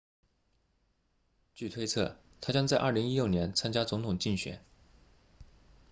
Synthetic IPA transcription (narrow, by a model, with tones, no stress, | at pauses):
t͡ɕy˥˩t̪ʰwe˥ɪt͡sʰɤ̰˥˩ | t̪ʰa˥t͡ɕjɑ˥ŋt͡sa˥˧ɪʔɐ˞˥˩li˧˥ŋi˥ljo˥˩ʊnjɛ˧˥nt͡sʰa˥nt͡ɕja˥t͡sʊ˧˥ŋt̪ʰʊ˨˩ŋt͡ɕi˥˩nɕɥɛ̰˨˥˦n